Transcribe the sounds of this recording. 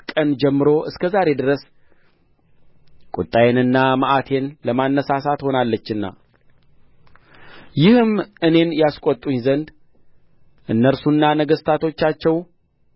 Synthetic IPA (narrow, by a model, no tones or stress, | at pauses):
kʼənd͡ʒɛmːɨɾoʔɨskʰəzaɾe̞d̪ɨɾəs | kʼut̪ʼajenɨnːamaʔat̪ʰe̞nləmanːəsasat̪ho̞nalːət͡ʃːɨnːa̰ | jɪhɨmɨne̞njaskʼot̪ʼːuɲzənd̪ | ʔɨnːəɾsunːanəɡəst̪ʰat̪ʰo̞t͡ʃːat͡ʃːɛw